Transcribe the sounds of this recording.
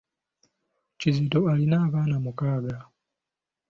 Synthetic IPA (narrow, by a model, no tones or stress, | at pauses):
cizitoalinaːβaːnamukaːɡa